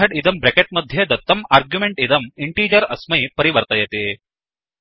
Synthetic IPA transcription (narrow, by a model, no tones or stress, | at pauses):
ɐɽid̪ɐmbɾekeʈ̚mɐd̪ʱjed̪ɐt̪ːɐmaːɾɡjumeɳʈid̪ɐmiɳʈiːd͡ʒɐɾɐsmɐjpɐɾiʋɐɾt̪ɐjet̪e